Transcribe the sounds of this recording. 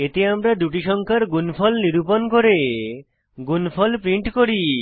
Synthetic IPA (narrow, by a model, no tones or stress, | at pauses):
et̪eamɾad̪uʈiʃɔŋkʰaɾɡunfʰɔlniɾuponkoɾe | ɡunfʰɔlpɾiɳʈkoɾi